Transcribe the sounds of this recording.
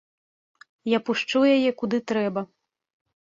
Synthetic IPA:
japuʂt͡ʂujajɛkud̪ɨt̪ɾɛbɐ

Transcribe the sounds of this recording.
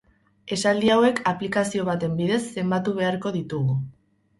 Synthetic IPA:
e̞sald̪iawe̞kʰaplikasio̞β̞at̪e̞mbiðe̞sːe̞mbat̪uβ̞e̞aɾko̞ð̞it̪uɣu

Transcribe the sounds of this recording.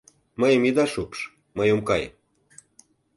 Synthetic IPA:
məjə̆mid̪ɑʃupʃ | məjomkɑj

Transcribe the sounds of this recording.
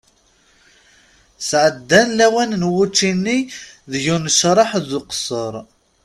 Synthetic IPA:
sʕəd̪ːænlæwænnwut͡ʃːinːiðʝunəʃɾˤɑħðʊqsˤəɾˤ

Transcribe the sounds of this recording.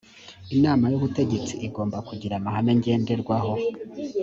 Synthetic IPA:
inaːmajuβute̞ɟe̞t͡siʔiɡo̞ːmbakuɟiɾamahaneɲɟe̞ːnde̞ɾɡwaɦo̞

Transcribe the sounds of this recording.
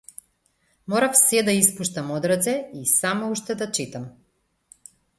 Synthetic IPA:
mɔɾafsɛd̪aispuʃt̪amɔd̪ɾat̪sɛisamauʃt̪ɛd̪at͡ʃit̪am

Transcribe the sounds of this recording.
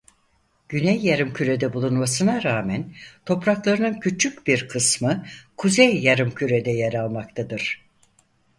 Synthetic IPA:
ɟ̥ynɛjːaɾɯmcʰyɾed̪ɛbulˠunmasɯnaɾaːmɛnt̪ʰo̞pɾaklˠaɾɯnɯncʰyt͡ʃʰycbiɾkʰɯsmɯkʰuzejːaɾɯmcʰyɾed̪ɛjeɾalˠmak̚t̪ʰad̪ɯɾ̥

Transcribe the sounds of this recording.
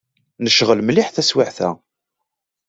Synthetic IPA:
nəʃʁəlmliħθæswiʕθæ̰

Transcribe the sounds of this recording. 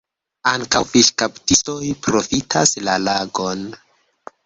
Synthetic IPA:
aŋkawfiʃkaptistojpɾo̞fitʰa̰slalaɡo̞n

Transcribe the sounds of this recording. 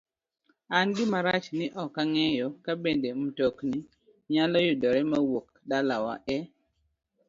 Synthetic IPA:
anɡɪmaɾat͡ʃnɪʔɔkːaŋɛjɔkabendem̩tokni | ɲalɔjʊdɔɾɛmawok | dalawa̰ʔɛ

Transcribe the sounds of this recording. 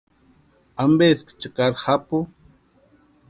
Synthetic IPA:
ambeskt͡ʃakaɾχapʊ

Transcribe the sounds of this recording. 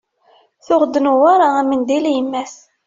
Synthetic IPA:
θʊʁd̪ənuwaɾaæmənd̪iljəmːæs

